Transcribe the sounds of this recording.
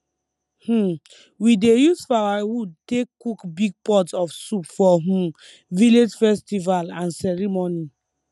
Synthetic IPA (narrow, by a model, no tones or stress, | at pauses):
h̩ | widejuzfawawud̚tekːukbiɡ̚pɔtɔfsupfɔɦũ | viled͡ʒfɛstivalãnsɛɾimoni